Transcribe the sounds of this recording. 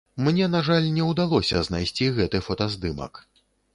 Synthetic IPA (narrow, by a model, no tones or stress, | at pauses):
mnʲɛnaʐalʲnʲɛwd̪alˠɔsʲɐ̰znajsʲt͡sʲiɣɛt̪ɨfɔt̪ɐzd̪ɨmɐ̰k